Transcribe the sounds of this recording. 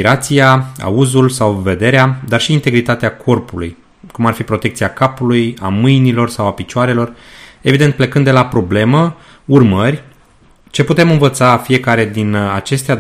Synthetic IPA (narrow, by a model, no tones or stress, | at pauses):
iɾat̪sijaa̰uzulsawve̞d̪e̞ɾead̪arʃiːnt̪e̞ɡɾit̪at̪eakʰo̞rpuluj | kumarfipɾo̞t̪e̞kt̪siakapulujamɨjnilo̞rsawapit͡ʃoaɾe̞lo̞re̞vid̪ent̪̚ple̞kɨnd̪e̞lapɾo̞ble̞mə | urmərʲ | t͡ʃe̞put̪e̞mɨnvət̪safije̞kaɾe̞d̪inat͡ʃe̞st̪ea